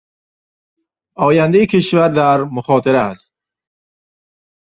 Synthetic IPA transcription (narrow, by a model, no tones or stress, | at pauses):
ɔːjand̪eikʰeʃvæɾd̪æɾmʊχɔːt̪ʰiɾæst̪̚